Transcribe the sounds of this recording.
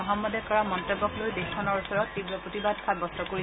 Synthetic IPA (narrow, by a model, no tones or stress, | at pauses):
ɔɦɔmːɔdɛkɔɹamɔntebːɔklojdexkʰɔnɔɹusɔɹɔtːibɹɔpɹotibadkʰabɔstɔkoɹi